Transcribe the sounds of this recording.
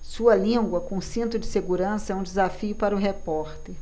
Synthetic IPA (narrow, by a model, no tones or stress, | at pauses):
suɐlĩɡwɐkõsĩnt̪ɾʊd͡ʒɪseɡuɾɐ̃sɐɛũd͡ʒɪzafiʊpaɾɐʊɦepɔɾt̪eɾ